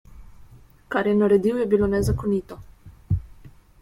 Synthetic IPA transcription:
kaɾjɛnaɾɛd̪iwjɛbilonɛzakɔnit̪ɔ

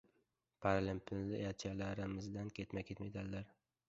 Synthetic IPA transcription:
pʰaɾlɪmpʰɪnlɪat͡ʃʰalaɾɪmɪzd̪ankʲʰet̪makʲʰet̪med̪anlaɾ

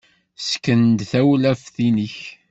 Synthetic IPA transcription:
skənd̪θæwlæfθinəç

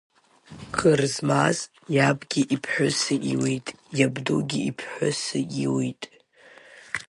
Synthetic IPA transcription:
kʰɨrzmaz | jabɡʲiʔipʰħʷᶣʊsɨʔiwitʼjabdṵɡʲiipʰħʷʊsɨiwitʼ

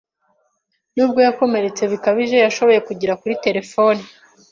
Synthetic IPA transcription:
nuːb̚ɡo̞jako̞me̞ɾe̞t͡se̞βikaβiʒe̞jaʃo̞βo̞je̞kuɟiɾakuɾite̞ɾe̞fo̞ni

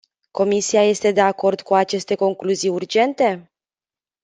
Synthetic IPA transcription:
ko̞misiaje̞st̪e̞d̪e̞ako̞rd̪kuat͡ʃe̞st̪e̞ko̞ŋkluzijurd͡ʒe̞nt̪e̞

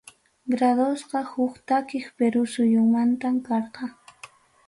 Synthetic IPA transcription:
ɡɾad̪osqɑhʊkt̪akɪχpeɾʊsʊjʊŋmant̪amkɑɾqɑ

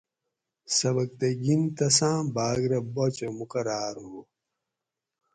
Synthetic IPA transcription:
sɐβɐk̚t̪ɐɡint̪ɐsãːbaːɡɾɐbot͡ɕemukɐɾaːɾɦu

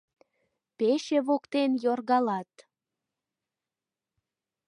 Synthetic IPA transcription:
peʃeβokt̪enjorɣɑlɑt̪

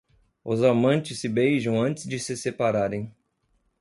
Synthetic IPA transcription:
ʊzamɐ̃nt͡ʃɪsːɪbejʒɐ̃w̃ɐ̃nt͡ʃɪzd͡ʒɪsɪsepaɾaɾẽj̃

